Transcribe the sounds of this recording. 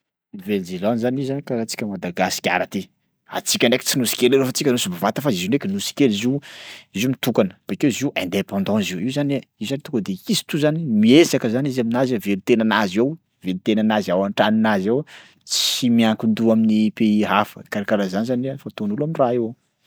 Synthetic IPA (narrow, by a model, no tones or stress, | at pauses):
iveld͡zelɔ̃nzanizanikaɾat͡si̥kʲəmad̪aɡasi̥kʲa̰ɾat̪i | a̰t͡sikʲaneki̥t͡sinusi̥kʲeleɾofat͡sikʲanusibavat̪əfaziziunekʲinusi̥kʲeliziiziumit̪ukanə̥b̥ekeziʔɛ̃nd̪epɑ̃nd̪ɑ̃ziuiuzaniuzanit̪ukəd̪eizi̥t̪uzanimiesakəzanizaminazavelut̪enanazew | velut̪enanazawaɳʈ͡ʂaninazaw | t͡simiaŋkind̪uaminipeiɦafə̰kaɾakaɾazanizanafat̪onulamiraeo